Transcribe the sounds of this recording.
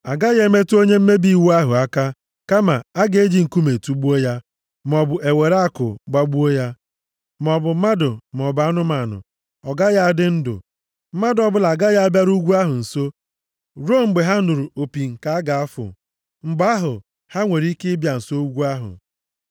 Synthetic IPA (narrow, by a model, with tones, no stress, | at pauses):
a˨ɡa˦je˦me˦tu˦o˦ɲe˦m̩˦me˦bi˦˨wu˦a˦ɦʊ˨a˦ka˦ | ka˦ma̰˨a˦ɡe˨e˦d͡ʒi˨ŋ̩˨ku˦me˨tu˦ɡ͡bu˦o˦ja˦ | m˨ɔ˨bʊ˨ʔe˨we˨ɾa˦kʊ̰˨ɡ͡ba˦ɡ͡bu˦o˦ja˦ | m˨ɔ˨bʊ˨˦ma˦dʊ˨m˨ɔ˨ba˨˦nʊ˦ma˨nʊ̰˨ | ɔ˨ɡa˦ja˦a˨dɪ˦n̩˦dʊ̰˨ | m̩˦ma˦dɔ˨bʊ˦la˨ɡa˦ja˦a˦bja˦ɾu˦ɡʷu˦a˦ɦʊ˨n̩˨so˦ | ɾo˦m̩˨ɡ͡be˨ɦa˦nʊ˨ɾu˨o˨pi˨ŋ̩˨ka˨a˦ɡa˨a˦fʊ̰˨ | ŋ͡m̩˨ɡ͡ba˦ɦʊ˨ | ha˦ŋʷe˨ɾi˦kɪ˦bja˨n̩˨so˦u˦ɡʷu˦a˦ɦʊ̰˨